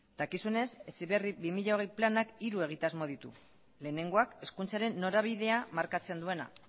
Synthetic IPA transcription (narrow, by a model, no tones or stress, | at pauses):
d̪̥akisune̞sesiβe̞riβimiʎao̞ɣe̞jplanakiɾue̞ɣ̞it̪azmo̞ð̞it̪u | le̞ːne̞ŋɡo̞ake̞skunt͡saɾe̞nːo̞ɾaβ̞ið̞e̞amaɾkat͡se̞nd̪ue̞na̰